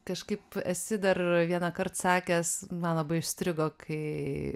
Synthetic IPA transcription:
kɐʃkɐɪpɐtʲsʲɪd̪ɐrʋʲiɛnɐkɐrt̪sɑːkʲɛsmɐnlˠɐbɐɪʊʃʲsʲt̪ʲɾʲɪɡoːkʰɐɪ

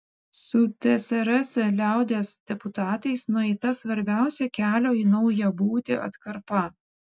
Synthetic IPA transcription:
sʊt̪ʲɛsʲɛɾɐsʲɛlʲæˑʊd̪ʲesd̪̥ʲɛpʊt̪ɑːt̪ɐɪsnʊɛɪt̪ɐsʋɐɾʲbʲæˑʊsʲɛkʲæːlʲoːiːnɒʊjɛbuːt̪ʲɪʔɐ̰t̪kɐɾpɐ

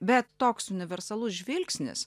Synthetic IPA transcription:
bʲɛt̪ːoːksʊnʲɪʋʲɛɾsɐlˠʊsʒʲʋʲɪlʲksʲnʲɪ̰s

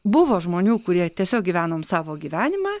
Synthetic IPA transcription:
bʊʋoːʒmoːnʲuːkʊɾʲiɛt̪ʲiɛsʲoːk̚ɡʲiːʋʲæːnoːmsɑːʋoːɡʲiːʋʲæːnʲɪmɑː

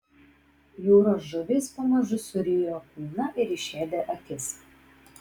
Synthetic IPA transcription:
juːɾoːsʒʊʋʲɪspɐmɐʒʊsʊɾʲiːjoːkuːnɐʔɪɾɪʃʲeːd̪ʲɛʔɐkʲɪs

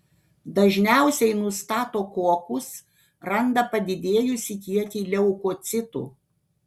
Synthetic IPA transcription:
d̪ɐʒʲnʲæˑʊsʲɛɪnʊst̪ɑːt̪oːkuɔkʊs | ɾɐnd̪ɐpɐd̪ʲɪd̪ʲeːjʊsʲɪkʲiɛt̪ʲiːlʲɛʊkot̪sʲɪt̪ṵː

